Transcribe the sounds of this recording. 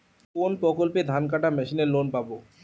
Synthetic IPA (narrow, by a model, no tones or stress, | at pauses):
konpɾɔkolped̪ʱank̬aʈamɛʃineɾlonpabo